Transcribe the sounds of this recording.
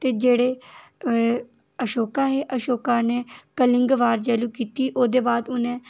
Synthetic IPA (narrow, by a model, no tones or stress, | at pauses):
t̪eːd͡ʒeːɽeː | əʃoːkaːɦeːʔəʃoːkaːneːkəlɪ̃ŋɡʋaːɾd͡ʒɛːluːkiːt̪iːʔoːd̪eːbaːd̪ʊnẽː